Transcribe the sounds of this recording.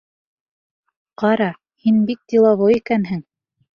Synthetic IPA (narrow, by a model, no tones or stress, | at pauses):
qɑɾɑ | hinbik̚t̪ʲilˠɑβoikænɦɘŋ